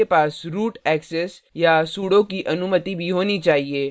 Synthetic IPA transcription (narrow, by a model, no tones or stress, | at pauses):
epaːsɾuːʈɛːksɛsjasuːɽõkiʔɐnʊmət̪ibʱiɦoːnit͡ʃaːɦieː